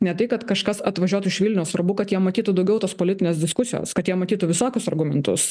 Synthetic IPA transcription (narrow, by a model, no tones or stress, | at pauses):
nʲɛt̪ɐɪkɐt̪kɐʃkɐsɐt̪ʋɐʒʲuːt̪ʊɪʃʋʲilʲnʲɛʊsɐrbʊkɐt̪jiɛmɐt̪ʲiːt̪ud̪ɐʊɡʲɛʊt̪oːspoːlʲɪt̪ʲɪnʲeːsd̪ʲɪskʊsʲɪjo̰ːskɐt̪jiɛmɐt̪ʲiːt̪ʊʋʲɪsoːkʲʊsɐrɡʊmʲɛnt̪ʊ̰s